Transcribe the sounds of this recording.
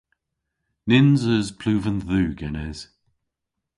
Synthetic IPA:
nɪnzəzpʰl̥ʉːvə̃nðʉːɡɛnɛz̥

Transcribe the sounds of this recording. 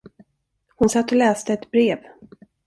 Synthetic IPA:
hʊnsat̪ːɔlɛːst̪əɛt̪bɾeːv

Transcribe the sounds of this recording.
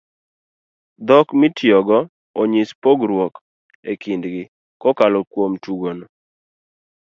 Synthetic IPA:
d̪ɔkmɪtjɔɡɔ | ɔɲispoɡɾwɔk | ekindɡɪ | kɔkalɔkwomtuɡono

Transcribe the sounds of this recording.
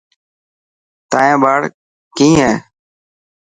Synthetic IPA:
t̪aːjẽːbaːɽ | kĩːɦɛ̃ː

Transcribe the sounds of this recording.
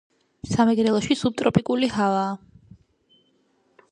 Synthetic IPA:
samɛɡɾɛlˠɔʃisub̚t̪ʼɾɔpʼikʼulihavaː

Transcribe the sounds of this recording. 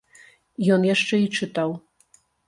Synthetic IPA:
jɔnjaʂt͡ʂɛit͡ʂɨt̪ɑw

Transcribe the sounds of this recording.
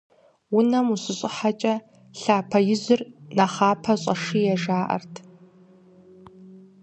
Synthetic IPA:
wʊnɐmuɕɪɕʼɪħat͡ʃʼɐ | ɬaːpʰɐjɪzɨrnɐχaːpʰɐɕʼɐʂijɛʒaːʔɐ̰rtʰ

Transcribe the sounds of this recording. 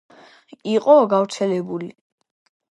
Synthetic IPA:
iqʼɔɡavɾt̪sʰɛlɛbuli

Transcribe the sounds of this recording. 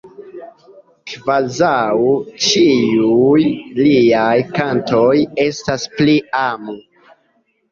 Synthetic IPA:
kvazawt͡ʃiujliajkanto̞je̞staspliamu

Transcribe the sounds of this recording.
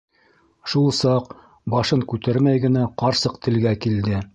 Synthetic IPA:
ʃulˠsɑq | bɑʃɤŋkʉt̪æɾmæjɡɘ̆næqɑɾsɤqt̪ɘ̆lɡækild̪ɘ

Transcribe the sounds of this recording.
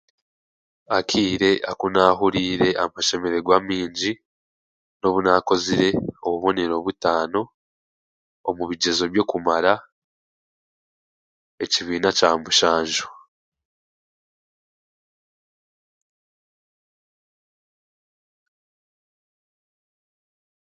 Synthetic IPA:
akʰiːɾe̞ʔakunaːɦuɾiːɾe̞ʔamaʃe̞me̞ɾe̞ɡwaːmiːɲɟi | no̞βunako̞ziɾe̞oβuβo̞ne̞ɾo̞βutaːno̞ | muβiɟe̞zo̞βjo̞kumaɾa | e̞ciβiːnacaːmbuʃaːɲʒu

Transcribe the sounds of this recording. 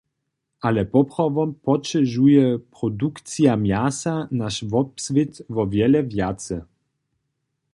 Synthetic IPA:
ʔalɛpɔpʁɔvɔmpɔt͡ʃɛʒujɛpɾɔd̪ukt̪t͡sijamjasanaʃvɔpsvet̪vɔvjɛlɛvjat̪t͡sɛ

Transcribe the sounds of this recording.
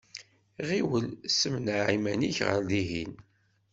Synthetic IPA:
ʁiwəlsəmnaʕimæniçʁə̰ɾliɦin

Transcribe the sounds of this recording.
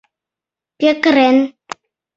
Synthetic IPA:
pjəkəɾɛn

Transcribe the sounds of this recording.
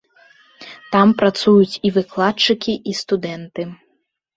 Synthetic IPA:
t̪ampɾat̪sujut͡sʲivɨklˠatt͡ʂɨkʲiʔist̪ud̪ɛnt̪ɨ

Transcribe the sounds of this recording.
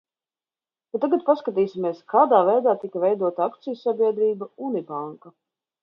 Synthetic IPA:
k̪at̪ːaɡat̪̚paskat̪iːsʲimʲiɛskaːd̪aːvɛjd̪aːt̪ikɐvɛjd̪uɔt̪aakt̪sijusːabʲiɛd̪ɾiːbaunibaŋkɐ

